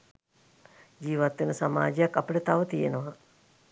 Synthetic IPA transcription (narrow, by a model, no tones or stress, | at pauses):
d͡ʒiːʋat̪ʋenəsama̰ːd͡ʒejakːapəʈət̪aʋət̪ijenəʋa